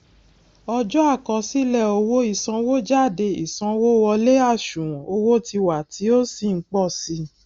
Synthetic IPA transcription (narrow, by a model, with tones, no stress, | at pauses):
ɔ˧d͡ʒɔ˦a˦˨kɔ˧si˦lɛ˦˨o˧wo˦i˦˨sã˧wo˦d͡ʒa˦˨de˧ḭ˨sã˧wo˦wɔ˧le˦a˦˨ʃũ˨o˧wo˦ti˧wa˨tʰi˨˦o˦si˦˨ŋ̩˦k͡pɔ˦˨si˧˦